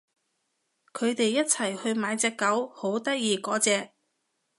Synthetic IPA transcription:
kʰɵ˨˧ɥt̪e˨jːɐ˥t̚t͡sʰɐ˨˩jhɵ˧ɥmaː˨˧jt͡sɛː˧kːɐ˨˥who˨˥wt̪ɐ˥k̚jiː˨˧kɔː˨˥t͡sɛː˧k̚

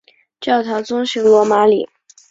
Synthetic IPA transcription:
t͡ɕjɑ˥˩ʊt̪ʰɑ˧˥ʊt͡sʊ˥ŋɕi˧˥ŋlwɔ˧˥ma˧˥lḭ˨˩˦

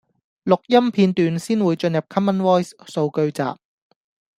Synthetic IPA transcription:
lʊ˨k̚jɐ˥mpʰiː˧nt̪yː˨˧nsiː˥nwuː˨˧jt͡ʃɵ˧njɐ˨p̚kʰɐ˥mːɐ˥nwɔː˥jsso˧wkɵ˧ɥt͡sa̰ː˨p̚

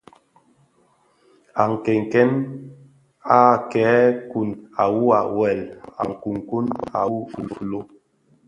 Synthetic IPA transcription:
a˨ŋ̩˨kɛ˨ŋ˨kɛ˦n | a˦˨kɛː˨˦ku˨na˨wu˦a̰˨wɛ˨la̰˨ŋ̩˨ku˨ŋ˨ku˦na̰˨u˦˨llo˦

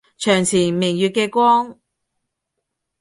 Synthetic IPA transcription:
t͡ʃʰœː˨˩ŋt͡sʰiː˨˩mɪ˨˩ŋjyː˨t̚kɛː˧kʷɔː˥ŋ

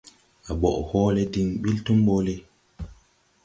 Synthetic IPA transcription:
a˨ɓɔ̰˨ʔhɔː˦le˦di˨ŋɓi˦ltu˦mɓo˦le˦

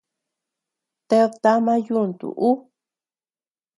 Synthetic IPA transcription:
t̪e˧t̪a˦mã˦ju˦˨nd̪ṵ˨ʔu˦

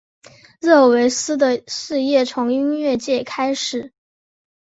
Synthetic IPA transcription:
ɻɤ˥˩we˧˥ɪsɹ̩˥d̪ə˨ʂɻ̩˥˧jɛ˥˩t͡sʰʊ˧˥ŋi˥nɥɛ˥˧t͡ɕjɛ˥˩kʰa˥ɪʂɻ̩˨˩˦

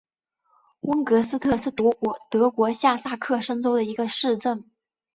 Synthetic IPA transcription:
wə˥ŋkɤ˧˥sɹ̩˥t̪ʰɤ˥˧ʂɻ̩˥˩t̪ɤ˧˥kwɔ˧˥ɕja˥˧sa˥˧kʰɤ˥˩ʂə˥ŋt͡so˥ʊd̪ə˨i˧˥ɡə˧ʂɻ̩˥˧ʈ͡ʂə˥˩ŋ

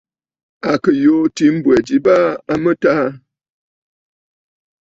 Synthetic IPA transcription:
a˨kə˨jo˨˦ti˨˦m̩˦bwɛ˨d͡ʒi˨ba˦a˦mə˦ta˦

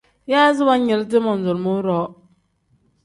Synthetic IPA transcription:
ja˦zɪ˦wa˦ɲe˨lt̬ɪ˦mɔ˨n̩˨zʊ˨ɾmʊ˦ɾɔ˨˦

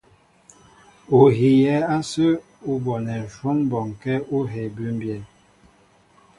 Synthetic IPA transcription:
o˨ɦi˨jɛ˨˦a˦sə˦ | u˦bɔ˨nɛ˨n˨ʃwɔ˦nbɔ˨ŋkɛ˦u˦ɦɛ˨bʉ˦mbjɛ˨n

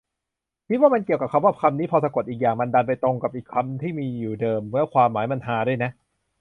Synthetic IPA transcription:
t̪ʰi˦˥waː˥˩ma˧nki˨˩əwka˨˩pkʰa˧mwaː˥˩kʰa˧mniː˦˥pʰɔː˧˩sa˧ko˨˩t̪̚ʔiː˨˩k̚jaː˨˩ŋma˧nda˧np̬a˧jt̪ɾo˧ŋka˨˩p̚ʔiː˨˩kʰa˧mt̪ʰiː˥˩miː˧juː˨˩dɤː˧mːɯ˦˥ɐkʰwaː˧mːaː˩˦jma˧nɦaː˨˦du˥˩əjna˦˥ʔ

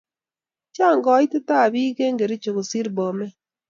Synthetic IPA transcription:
t͡ʃa˦˨ŋɡɔ˨˦i˦te˦ta˦˨βi˦ɣe˦ŋɡe˨ɾi˦t͡ʃo˨ɣo˨si˦ɾbɔ˨mɛ˦

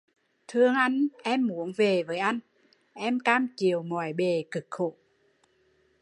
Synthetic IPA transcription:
t̪ʰɨ˧əŋʔa˧jŋ̟ʔɛ˧mːu˨˦əŋve˨˩vəː˨˦jʔa˧jŋ̟ | ʔɛ˧mkaː˧mt͡ɕi˨˩əwŋɔ˨˩jɓe˨˩kɨ˨˩k̚xo̰˧˨

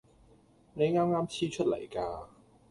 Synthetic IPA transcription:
ne˨˧jŋaː˥mŋaː˥mt͡sʰiː˥t͡ʃʰɵ˥t̚lɐ̰˨˩jkaː˧

